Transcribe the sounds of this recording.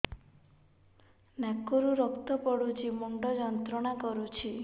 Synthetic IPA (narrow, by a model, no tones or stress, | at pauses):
nakːɔɾuɾɔkt̪ɔpɔɽut͡ʃʰimɔŋɖɔd͡ʒɔnt̪ɾɔɽ̃akɔɾut͡ʃʰi